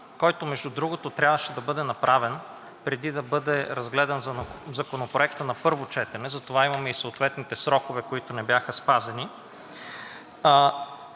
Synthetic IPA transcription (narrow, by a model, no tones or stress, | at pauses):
kɔjt̪omɛʒd̪ud̪ɾuɡot̪ot̪ɾʲabvəʃɛd̪ɐbɤd̪ɛnɐpɾʔavɛn | pɾɛd̪id̪ɐbɤd̪ɛɾɐzɡlɛd̪ɐnzɐzɐkonopɾoɛkt̪ənɐpɤɾvot͡ʃɛt̪ɛnɛzɐt̪ovaimɐmɛisoot̪vɛt̪nit̪ɛsɾɔkovɛkoit̪onɛbjaxɐspazɐni